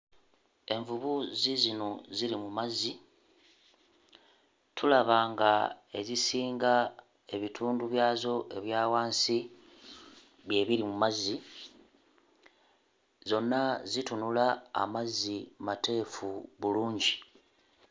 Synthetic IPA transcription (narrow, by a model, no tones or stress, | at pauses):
e̞ɱvuβuzizino̞ziɾimumazi | tʰulaβaːŋɡae̞zisiːŋɡa | e̞βitʰuːnduβjaːzo̞ʔe̞βjaːwaːnsi | βje̞ːβiɾimumazːi | zo̞nːazitunula̰ːmazːimate̞ːfuβuluːɲɟi